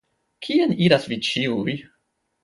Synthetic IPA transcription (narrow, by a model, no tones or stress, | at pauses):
kʰieniɾasvit͡ʃiuj